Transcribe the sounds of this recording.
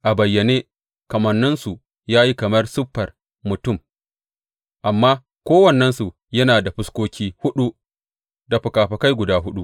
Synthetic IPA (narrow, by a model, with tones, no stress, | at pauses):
ʔa˨bɐ˨jːɐ˨neː˦ | kɐ˨mɐ˨nːʊ˦nsu˨ | jaː˦ji˦kɐ˨mɐ˦rsʊ˦ɸːɐ˨r | mʊ˨tʊ˦˨m | ʔa˨mːaː˦ | kʷoː˦wɐ˨nːɛ˦nsu˨ | jɐ˦naː˨da˨ɸʊ˦skʷoː˦kʲiː˦hʊ˦ɗu˦ | da˨ɸʊ˨kaː˨ɸɐ˨ka˦jɡʷʊ˨daː˦ɦʊ˦ɗu˦ʔ